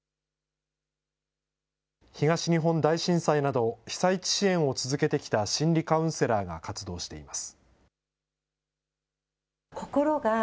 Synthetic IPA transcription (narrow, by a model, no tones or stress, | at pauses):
çiɡaɕiɲ̟iɦõ̞nd̪aiɕĩɰ̃sainad̪o̞çi̥sait͡ɕi̥ɕiẽ̞ɰ̃o̞t͡sɨzɨke̞t̪e̞kʲi̥t̪aɕĩnɾʲikaɯ̃ɰ̃se̞ɾaːɡa̰kat͡sɨd̪o̞ːɕi̥t̪e̞imasɨ̥ | koko̞ɾoɡa